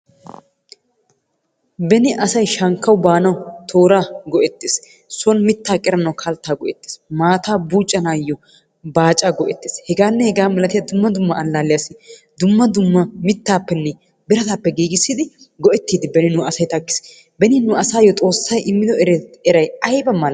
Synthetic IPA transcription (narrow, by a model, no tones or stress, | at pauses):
bɛnɪʔɐsɐjʃɐŋkːɐwbaːnɐwt̪ʰo̞ːɾaːɡɔʔɛt̪ːes | sɔnmɪt̪ːaːkʼɛɾɐnɐwkʰɐlt̪ːaːɡɔʔɛt̪ːe̥ːsmaːt̪aːbuːt͡ʃʼːɐnaːjːɔ | baːt͡ʃʼaːɡɔʔɛt̪ːe̥ːshɛɡaːnːɛhɛɡaːmɛlɐt̪ɪjɐd̪ʊmːɐd̪ʊmːɐːlːaːlːɪjasɪ | d̪ʊmːɐd̪ʊmːɐmɪt̪ːaːpːɛnːɛ | bɪɾɐt̪aːpːɛɡiːɡɪsːɪd̪ɪ | ɡɔʔɛt̪ːiːd̪ɪbɛnɪnʊɐsɐjt̪ɐkːɪ̥s | bɛnɪnʊɐsaːjːɔt̪ʼo̞ːsːɐjʔɪmːɪd̪ɔɛɾɛɾɐjɐjbɐmɐl